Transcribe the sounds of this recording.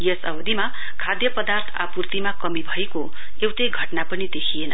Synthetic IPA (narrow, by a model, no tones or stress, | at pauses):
jesʌbʌd̪ima | kʰad̪jʌpʌd̪art̪ʰa̰purt̪imakʌmibʱʌeko | ewʈeɡʱʌʈnapʌnid̪ekʰijenʌ